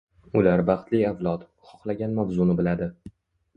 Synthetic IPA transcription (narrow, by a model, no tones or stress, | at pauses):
ʊlaɾbɑχt̪lɪjavlˠɒt̪ | χɒχlˠaɡʲanmavzʊnɪbɪlad̪ɪ